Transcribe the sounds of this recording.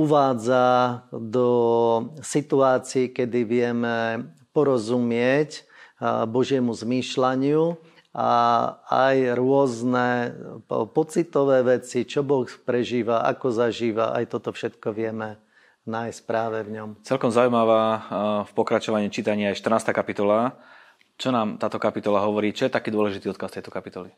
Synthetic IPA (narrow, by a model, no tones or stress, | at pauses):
uʋaːd͡zad̪ɔ | sit̪uaːt͡siːkɛd̪iʋɪɛmɛpɔɾɔzumɪɛc | bɔʒɪɛmuzmiːʃlaɲɪu | aa̰jɾʊɔznɛ | pɔt͡sit̪ɔʋɛːʋɛt͡sit͡ʃɔbɔxpɾɛʒiːʋaʔa̰kɔzaʒiːʋa̰ʔa̰jt̪ɔt̪ɔfʃɛt̪kɔʋɪɛmɛ | najsc̚pɾaːʋɛvɲɔmt͡sɛlkɔmzaujmaʋafpɔkɾat͡ʃɔʋaɲiːt͡ʃiːt̪aɲiːajʃt̪rnaːst̪aːkapit̪ɔla | t͡ʃɔnaːmt̪aːt̪ɔkapit̪ɔlaɦɔʋɔɾiːt͡ʃɔjɛt̪akiːd̪ʊɔlɛʒit̪iɔt̪̚kast̪ɛjt̪ɔkapit̪ɔli